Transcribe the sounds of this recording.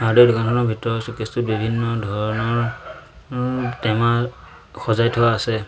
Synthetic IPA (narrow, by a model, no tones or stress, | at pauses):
aɹdedʊkankʰɔnɔɹbʱitɔɹɔsukistut̚bibʱinːɔdʱɔɹɔnɔɹ | tɛma | xɔzajtʰɔwaːsɛ